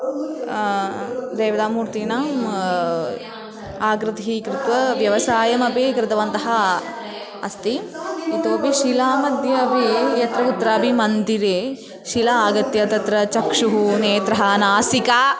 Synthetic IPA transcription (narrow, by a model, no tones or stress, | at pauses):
d̪eːʋɐd̪aːmuːɾt̪iːnaːm | aːɡɾɪt̪ɦikɾɪt̪ʋɐʋjɐʋɐsaːjɐmɐpikɾɪt̪ɐʋɐnt̪ɐɦɐ | ɐ̰st̪iit̪oːpiʃilaːmɐd̪jɐːpijɐt̪ɾɐut̪ːɾaːbʱimɐnd̪iɾe | ʃilɐaːɡɐt̪jɐt̪ɐt̪ɾɐt͡ʃɐkʂuɦuneːt̪ɾɐɦɐnaːsikaː